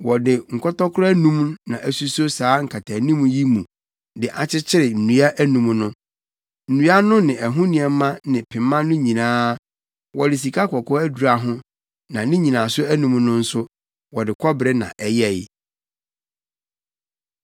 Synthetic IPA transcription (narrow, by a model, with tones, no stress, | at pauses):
wɔ˨dɪ˨ŋ̩˨kʰɔ˦tɔ˦kʰʊ˦ɾɔ˦æ˦nũ˦mnã̰˨ʔæ˨su˦so˦saː˨˦ŋ̩˨kʰa˨tʰa˨˦nĩ˦m̃˨ji˦mũ˨ | dɪ˨ʔa˨t͡ɕʰɪ˦t͡ɕʰɪ˦ɾɪ˨n̩˨nũ˨a˦ʔæ˦nũ˨mnʊ̃˦ | n̩˨nũ˨a˦nʊ̃˦nɪ̃˨ɛ˨ɦʊ̃˦nĩ˨ɛ˨˦mã˦nɪ̃˨pʰɪ̃˨mː˦ã˦nʊ̃˦ɲĩ˨nãː˦ | wɔ˨dɪ˨s̬i˨kʰa˦kʰɔ˨kʰɔ˦æ˦du˨ɾa˨ɦʊ̃˦ | nã˨nĩ˦ɲĩ˨nãː˨sʊ˦æ˦nũ˨˦mnʊ̃˦n̩˦sʊ˦ | wɔ˨dɪ˨kʰɔ˦bɾɛ˦nã̰˨ʔɛ˨jɛ˦˨jɪ˦˨